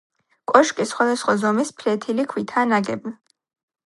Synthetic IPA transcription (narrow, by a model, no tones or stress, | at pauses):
kʼɔʃkʼisχwad̪asχwazɔmispʰlɛt̪ʰilikʰwit̪ʰanaɡɛbn